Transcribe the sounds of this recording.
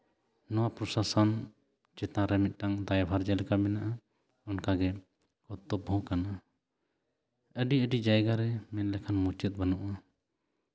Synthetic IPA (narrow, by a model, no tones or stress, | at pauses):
nɔwapɾɔsasɔn | t͡ʃɛt̪ãɾɛmit̪̚ˀʈaŋd̪ajbʱaɾd͡ʒalɛkabɛnaʔa | ɔnkaɡɛ | kɔt̪ːɔbʱɔ̃kana | əɖiəɖid͡ʒajɡaɾɛmɛnlɛkʰanmut͡ʃɛt̪̚banɔʔa